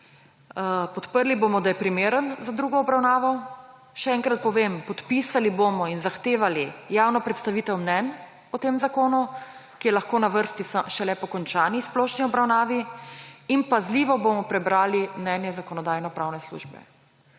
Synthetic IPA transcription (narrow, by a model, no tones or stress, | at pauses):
pɔt̪pəɾlibomɔd̪ajɛpɾimeːɾənzad̪ɾuːɡɔːbɾawnaːʋɔ | ʃɛɛŋkɾat̪̚pɔʋempɔt̪pisalibomɔinzaxt̪eːʋalijawnɔpɾɛt̪st̪aʋiːt̪ɛwmnɛn | ɔt̪eːmzakoːnukijɛlaxkoːnaʋəɾst̪isaʃɛlɛpɔkɔnt͡ʃaːnisplɔʃniɔbɾawnaːʋi | inpazliːʋɔbomɔpɾɛbɾaːlimnɛnjɛzakɔnɔd̪aːjnɔpɾawnɛslṵːʒbɛ̰